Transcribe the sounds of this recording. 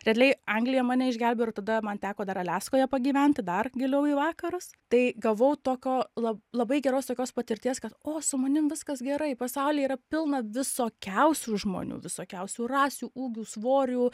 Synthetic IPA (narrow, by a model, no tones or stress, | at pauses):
ɾʲɛd̪ʲlʲɛɪɐŋɡlʲɪjɛmɑːnʲɛɪʒʲɡʲælʲbʲɛːɪt̪ɐd̪ɐmɐnt̪ʲæːkoːd̪ɐɾɐlʲæːskoːjɛpɐɡʲiːʋʲɛnʲt̪ʲɪd̪ɐrɡʲɪlʲɛʊiːʋɑːkɐɾʊst̪ɐɪɡɐʋɐʊt̪oːkʲoːlˠɐlˠɐbɐɪɡʲɛɾoːst̪oːkʲoːspɐt̪ʲɪɾʲt̪ʲiɛskɐt̪oːsʊmɐnʲɪmʋʲɪskɐsɡʲɛɾɐɪpɐsɑʊlʲiːiːɾɐpʲɪlˠnɐʋʲɪsoːkʲɛʊsʲuːʒmo̰ːnʲṵːʋʲɪsoːkʲɛʊsʲuːrɑːsʲuːuːɡʲuːsʋoːɾʲuː